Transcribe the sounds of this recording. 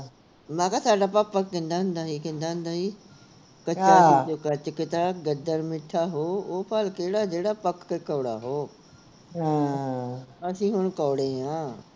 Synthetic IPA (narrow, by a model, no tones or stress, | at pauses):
mãːkasaːɖaːpapɐkkẽːnd̪aɦʊ̃nd̪aːɦikẽnd̪aːɦʊ̃nd̪aːɦiː | kɐt͡ʃaːd͡ʒokɐt͡ɕkɪt̪aɡɐd̪əɾmɪʈʰaɦoːoːpʰaːlkeːɽad͡ʒeːɽapɐkːekəʋɽa̰ɦoː | ɦa | ɐsĩːɦʊɽ̃kɔːɽẽãː